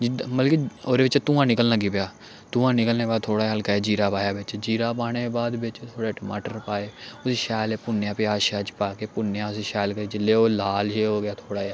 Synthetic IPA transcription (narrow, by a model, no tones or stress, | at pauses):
d͡ʒməlkioːɾeːʋɪt͡ʃt̪ũːãːnɪkəlnəɡiːpjaː | t̪ũːãːnɪkəlneːbaːd̪̚t̪ʰoːɽaːɦəlkaːeːd͡ʒiːɾaːpaːjaːbɪt͡ʃd͡ʒiːɾaːpaːɽ̃eːbaːd̪bɪt͡ʃt̪ʰoːɽeːʈəmaːʈəɾpaːeːʊsiːʃɛːleːpʊnjãːpeaːʃaːt͡ʃpaːkeːpʊnejãːʊsiʃɛːlkəɾiːd͡ʒɪlːeːoːlaːlʃeːɦoːɡɪaːt̪ʰoːɽaː